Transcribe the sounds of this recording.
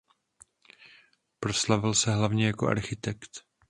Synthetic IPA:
pɾo̞slavɪlsɛɦlavɲɛjako̞ʔa̰ɾxɪt̪ɛkt̪

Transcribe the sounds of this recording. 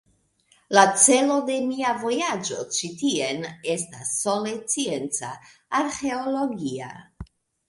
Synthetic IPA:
lat͡se̞lo̞de̞miavo̞jad͡ʒo̞̰t͡ʃitie̞ne̞stasːo̞le̞t͡sie̞nt͡sa | aɾxe̞olo̞ɡia̰

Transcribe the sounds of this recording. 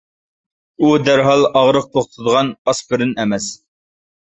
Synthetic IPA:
ud̪æɾɦɑlˠɑʁɾəq̚t̪ʰoχt̪ʰɨd̪əʁɑnɑsbɪɾɪnɛmɛs

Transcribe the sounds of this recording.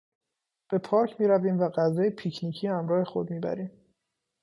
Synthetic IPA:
b̥e̞pʰɒːɾcʰmiːɾæviːmvæɢæzɒːjepʰicʰniːcʰiːhæmɾɒːhe̞xo̞d̪̚miːbæ̰ɾiːm

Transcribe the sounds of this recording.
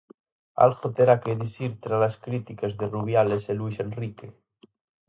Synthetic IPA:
a̰lxot̪eɾakeðisiɾt̪ɾalaskɾit̪ikazðeruβ̞jaleseluisenrike

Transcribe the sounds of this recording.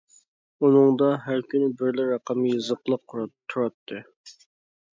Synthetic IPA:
unɨŋd̪ɑɦæɾkʲʰynɪbɪɾlɪɾɑqɑmɨjɨzəqlˠəqɾt̪ʰːuɾɑt̪ʰːɨ

